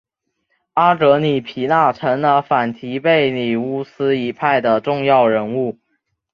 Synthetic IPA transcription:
a˥t̪ɤ˧˥ni˨˩pʰi˧˥na˥˩ʈ͡ʂʰə˧˥ŋlə˧fa˨˩nt̪ʰi˧˥pe˥˩ɪni˨˩u˥˩sɹ̩˥i˧˥pʰa˥˩ɪd̪ə˩ʈ͡ʂʊ˥˧ŋjɑ˥˩ʊɻə˧˥nu˥˩

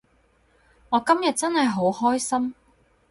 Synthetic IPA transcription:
ŋɔː˨˧kɐ˥mjɐ˨t̚t͡sɐ˥nhɐ˨jɦo˨˥whɔː˥jsɐ˥m

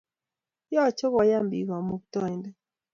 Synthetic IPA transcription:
jɔ˦˨t͡ʃo˦ɣɔ˨ja˦mbḭ˨ɣɔ˨mu˦k̚tɔ˦˨i˨ndɛ˦

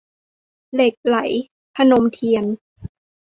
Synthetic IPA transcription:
le˨˩k̚la˩˦j | pʰa˧no˧mt̪ʰi˧ən

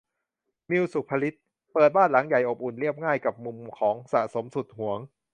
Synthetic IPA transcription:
mi˧wsu˨˩k̚pʰa˧li˦˥t̪̚ | pɤː˨˩t̪̚baː˥˩nla˩˦ŋja˨˩jʔo˨˩p̚ʔu˨˩nli˥˩əp̚ŋaː˥˩jka˨˩p̚mu˧mkʰɔː˩˦ŋsa̰˨˩ʔso˩˦msu˨˩t̪̚hu˩˦əŋ

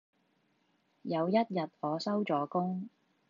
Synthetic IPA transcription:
jɐ˨˧wjɐ˥t̚jɐ˨t̚ɔː˨˧sɐ˥wt͡ʃɔː˨˥kʊ˥ŋ

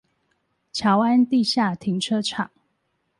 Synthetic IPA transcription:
t͡ɕʰja˨˥ʊa˦nt̪i˥˨ɕja˥˨t̪ʰi˨˥˦ŋʈ͡ʂʰɤ˦ʈ͡ʂʰɑ˨˩˦ŋ

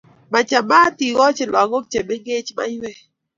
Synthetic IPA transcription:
ma˨t͡ʃa˨ma˦ti˨ɣɔ˦t͡ʃɪ˨lɔ˨ŋɔ˦kt͡ʃe˨me˦ŋɡe˦t͡ʃma̰˦ɲwɛ˦

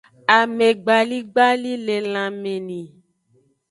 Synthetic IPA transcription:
a˨me˨ɡ͡ba˨li˦ɡ͡ba˦li˦le˨l̃ã˨mẽ˨nĩ˨

